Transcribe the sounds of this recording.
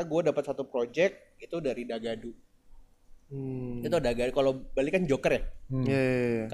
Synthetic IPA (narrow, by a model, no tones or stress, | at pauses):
aɡuadapat̪̚sat̪upɾod͡ʒɛk̚ | it̪udaɾidaɡadu | iut̪udaɡadukalobalɪkːand͡ʒokərjahjak